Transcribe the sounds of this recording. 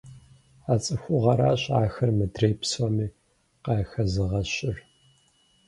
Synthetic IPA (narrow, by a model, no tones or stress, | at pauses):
aːt͡sʼɨxʷʊʁɐɾaːɕʼaːxɐrmɨdreːpʰsɔmiː | qɑːxɐzɨʁɐɕɪr